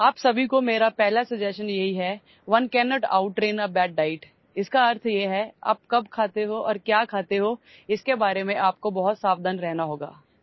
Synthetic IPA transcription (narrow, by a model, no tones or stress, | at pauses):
aːpsɐbʱikomeːɾapɛɦlasɐd͡ʒɛːsənjɐɦiɦɛ | ʋɐnkɛːnɔːʈa̰ːʊʈːɾeːnabɛːɖ̚ɖaːɪʈ | ɪskaɐɾt̪ʰjeɦɛa̰ːp̚kɐbkʰaːt̪eɦoʔɔːɾkjaːkʰaːt̪eɦo | ɪskebaːɾemẽʔaːp̚kobɐɦʊt̪saːbd̪anɾɛɦnaɦoːɡa̰ː